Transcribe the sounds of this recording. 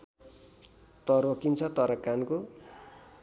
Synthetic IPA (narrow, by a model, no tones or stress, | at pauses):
t̪ʌrwʌkint͡sʰʌt̪ʌɾʌkanko